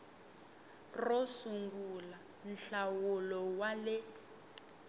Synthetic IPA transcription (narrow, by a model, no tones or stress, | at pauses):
rɔsuŋɡula | n̩ɬawulɔwalɛ